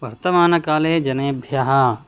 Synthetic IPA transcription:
ʋɐɾt̪ɐmaːnɐkaːleːd͡ʒɐnɐjɐbʱjaːɦɐ

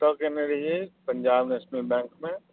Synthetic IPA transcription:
t̪əkeneɾɐɦiepəɲd͡ʒaːbneːʃnəlbɛ̃ːŋkmẽ

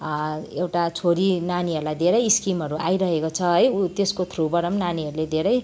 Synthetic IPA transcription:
ewʈat͡sʰoɾinaniɦʌɾulajd̪ʱeɾʌjskimɦʌɾuʔa̰jɾʌɦekot͡sʰʌɦʌjut̪eskot̪ʰrubʌɾʌmnaniʌɾuled̪ʱeɾʌj

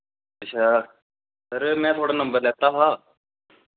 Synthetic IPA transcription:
ət͡ʃʰaː | səɾmɛ̃ːt̪ʰoaːɽaːnə̃mbəɾlɛːt̪aɦaː

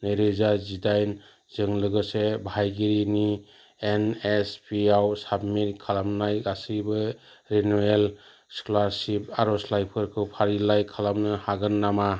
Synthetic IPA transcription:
nɯjɾɯzazidajn | zɯŋlɯɡɯsebʱajɡiɾini | enespʰiawsabmitkʰalamnajasɯjbɯ | ɾenuel | sklaɾsip̚aɾɔslajpʰɯɾkʰɯpʰaɾilajkʰalamnɯhaɡɯnːama

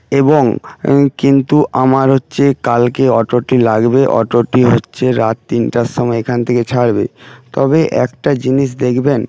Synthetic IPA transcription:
eboŋkint̪uʔamaɾɦotːɕʰekalkeɔʈoɾʈilaɡbeʔɔ̰ʈoɾʈiɦotːɕʰeɾat̪̚t̪inʈaʃːɔmɔeekʰant̪ʰeket͡ɕʰaɽbḛt̪ɔbeʔɛ̰kʈad͡ʑiniʃ̬d̪ekʰben

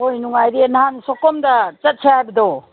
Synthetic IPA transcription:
ojnuŋajdenaɦanisɔkɔmdat͡ʃɐt̚sʰiaajbɐdɔ

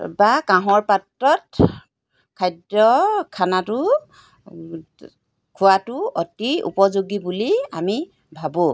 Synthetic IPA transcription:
bakaɦɔɹpatɹɔt | kʰajdɹɔkʰanatʊ | kʰʊatʊɔtiṵpɔzoɡibulia̰mi | bʱabũ

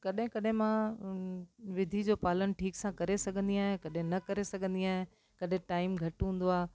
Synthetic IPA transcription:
kɐɗɦɪ̃kɐɗɦɪ̃mã | ʋɪd̪ʱid͡ʑoːpaːlən̆ʈʰiːksãkɐɾesɐɡʱə̃nd̪iaːɦẽkɐɗɦɪ̃nɐkɐɾesɐɡʱə̃nd̪iaːɦẽ | kɐɗɦɪ̃ʈaːɪmɡʱɐʈɦũːn̆d̪oaː

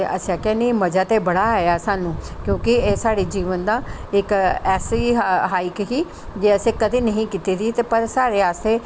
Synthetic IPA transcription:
eʔəsãkɛ̃ːneiməd͡ʒaːt̪eːbəɽaːɦejaːsaːnũːkjõːkɪeːsaːɽeːd͡ʒiːʋənd̪aːɪkɛːsiːɦaːɪkɦiː | d͡ʒeːəsẽːkəd̪eːnəɦĩːkiːt̪eːd̪it̪eːpəɾsaːɽeːaːst̪eː

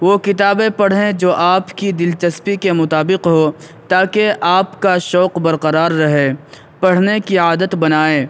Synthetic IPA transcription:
ʋoːkɪt̪aːbẽpɐɽ̤ɦẽd͡ʒoːʔaːpkid̪ɪlt͡ʃɐspikemʊt̪aːbɪqɦoː | t̪aːkeʔaːpkaʃɔːqbɐɾqɐɾaːɾːɐɦe | pɐɽ̤nekiaːd̪ət̪bɐnaːeː

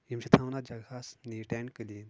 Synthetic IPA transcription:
jimɕit̪ʰãwnad͡ʑɐɡʱasniʈẽɳkəliːn

